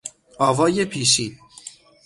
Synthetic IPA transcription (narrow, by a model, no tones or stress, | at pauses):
ʔɒːvɒːjepʰiːʃiːd̪